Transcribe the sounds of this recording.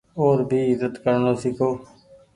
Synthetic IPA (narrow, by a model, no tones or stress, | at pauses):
oːɾbʱiːɪzət̪kəɾnoːsɪkʰoː